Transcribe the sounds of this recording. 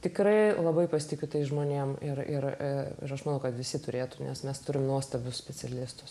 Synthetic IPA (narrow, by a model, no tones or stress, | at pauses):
t̪ʲɪkɾɐɪlˠɐbɐɪpɐsʲɪt̪ʲɪkʲʊt̪ɐɪʒmoːnʲeːmɪrɪrɪɪ̰ɾɐʃmɐnɐʊkɐt̪ʋʲɪsʲɪt̪ʊɾʲeːt̪ʊnʲɛ̰smʲɛst̪ʊɾʲɪmnuɔst̪ɐbʲʊssʲpʲɛt͡sʲɛlʲɪst̪ʊ̥s